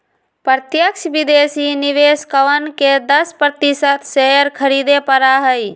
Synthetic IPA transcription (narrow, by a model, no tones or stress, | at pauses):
pɾət̪jəkʃbɪd̪eːsinɪʋeːskəʋənked̪əspɾət̪isət̪ʰsejəɾkʰəɾid̪epəɾaɦəj